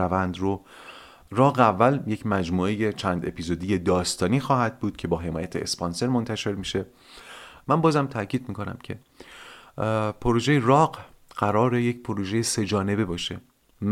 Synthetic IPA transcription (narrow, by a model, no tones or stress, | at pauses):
ævænd̪ɾo | rɒːɣeævːælje̞cʰmæd͡ʒmuːe̞je̞t͡ʃʰænd̪e̞̰pʰiːzod̪ije̞d̪ɒːst̪ɒːniːxɒːhæd̪̚buːd̪̥̚cʰe̞bɒːɦe̞mɒːjæt̪ʰḛḛspɒnse̞ɾmo̞nt̪ʰæʃe̞ɾmiːʃe̞ | mænbɒːzæmt̪ʰæcʰiːd̪̚miːkʰo̞næ̰mcʰe̞ | pʰoɾoʒejerɒːɢɢ̥æɾɒːɾe̞jecpʰoɾoʒejese̞d͡ʒɒːne̞be̞bɒːʃe̞̰ | m